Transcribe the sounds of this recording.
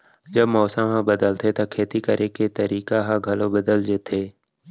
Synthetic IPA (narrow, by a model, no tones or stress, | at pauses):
d͡ʒəbmɔːsəmɦãbəd̪əlt̪ʰet̪okʰeːt̪ikəɾʔeket̪əɾiːkaɦãɡʱɐlobəd̪əld͡ʒeːt̪ʰeː